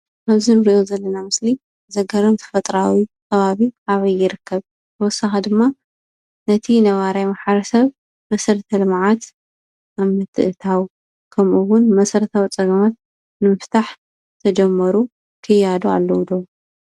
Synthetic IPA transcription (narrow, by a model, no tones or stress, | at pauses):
ʔaβzinɨɾiʔozɐlːɐnamɨsli | zɐɡɐɾomt̪ʰɐ̥fɐt̪ʼɾawikʰɐβaβiʔaβɐjːɪɾɨkʰːɐβ | t̪ʰɨwɔsːaxid̪ɨmːa | nɐt̪ʰinɐβaɾajmaħɐɾɐsɐβ | mɐsɐɾt̪ʰɐlɨmʕat̪ | ʔaβmɨt̪ʰɨʔɨt̪ʰaw | kʰɐmʔuwʊnmɐsɐɾt̪ʰɐwt͡sʼɐɡɐmat̪̚ | nɨmɨft̪ʰaħ | t̪ʰɐd͡ʒɛmːɐɾu | kʰɨjad̪oa̰lːɐwd̪o